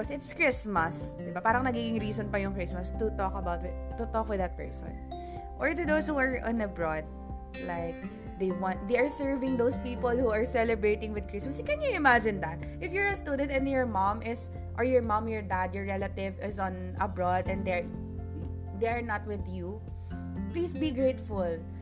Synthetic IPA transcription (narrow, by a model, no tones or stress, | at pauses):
ɔsɪt̪skɹɪsmɐsd̪ɪbapaːɾɐŋnɐɡiːɡɪŋɾiːsɔnpɐjʊŋkɹɪsmɐst̪ʊt̪ɔkɐbawt̪wɪt̪ʊt̪ɔkwɪd̪ɐt̪̚pɛ̰ɹsɔ̰̃n | ʔɔɹt̪ʊd̪owshuɐɹʔɔ̰̃nɐbɹɔd̪̚ | laɪk̚ | d̪ejwɑ̃nt̪̚d̪ejʔɐɹsɛɹvɪ̃ŋd̪owspiːpɔlhuɐɹsɛlɛbɹejt̪ɪ̃ŋwɪd̪̚kɹɪsmɐskɛnjʊɪmad͡ʒɪ̃nd̪ɐt̪̚ | ʔɪfjɔɹɐst̪ud̪ɛ̃nt̪ɛ̃njɔɹmãmʔɪs | ʔɔɹjɔɹmãmjɔɹd̪ad̪jɔɹːɛlɐt̪ɪvɪsɔ̃n | ʔɐ̰bɹɔd̪ɛ̃ndd̪ɛɹ | d̪eɐɹnat̪̚wɪðju | plisbiɡɹejt̪fʊl